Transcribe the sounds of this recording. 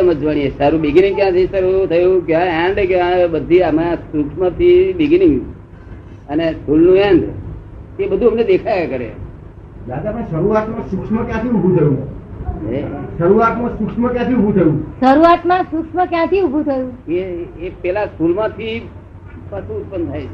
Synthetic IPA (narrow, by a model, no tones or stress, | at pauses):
məd͡ʒʋaɽ̃iesaɾũbiɡnĩŋɡkjãt̪ʰisaɾut̪ʰəjũkjãɛɳɖkjãbəd̪ʱiamãsukʂmət̪ʰibiɡnĩŋɡ | əneskulnũɛ̃ɳɖ | ebəd̪ʱuəmned̪ekʰajekəɾḛ | d̪ad̪apəeʃəɾuat̪mãsukʂməkjãt̪ʰiubʱũt̪ʰəjũ | eʃəɾuat̪mãsukʂməkjãt̪ʰiubʱut̪ʰəjũʃəɾuat̪mãsʊkʂməkjãt̪ʰiubʱũt̪ʰəjũeːpɛlaskulmãt̪ʰi | pət̪ũʊt̪̚pənt̪ʰajt͡ʃʰe